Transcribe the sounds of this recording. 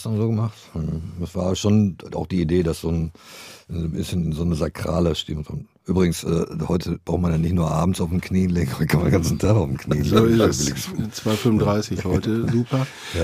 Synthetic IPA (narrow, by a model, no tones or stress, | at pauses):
sdazoːɡəmaχtm̩d̥asv̥aːʃoːna̰ʊxd̥iːideːdasz̥oːn | bɪsçənɪnzoːnəzakʁ̥a̰ːləʃtɪ̰mto̰n | ʔyːbʁɪɡŋ̩sʔɛːhɔʏtʰəbʁaʊtmandanɪçtnuːɐʔa̰ːbm̩t͡saʊfm̩kʰniːənleːɡŋhɔɪtə̥kʰanmanɡansn̩tʰaχaʊfm̩kʰnḭːənlːɪblɪt͡sv̥aɪfʏmndʁaɪsɪçhɔʏtəzuːpɐ | ja